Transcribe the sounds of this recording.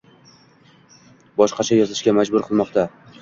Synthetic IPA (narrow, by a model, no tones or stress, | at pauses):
bɒʃqɑt͡ʃʰajɒzɪʃɡʲamad͡ʒbʊɾqʰɨlˠmɒqt̪ʰa